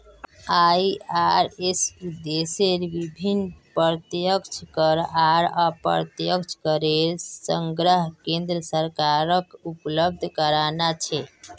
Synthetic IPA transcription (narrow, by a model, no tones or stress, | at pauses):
aaɾesud̪eseɾʋibʱinːpəɾt̪jəkt͡ʃʰkəɾaɾapə̰ɾt̪jəkt͡ʃʰkəɾeɾsəŋɡɾəɦkẽnd̪ɾəsəɾkaɾəkupləb̚d̪ʱkəɾanat͡ʃʰɛ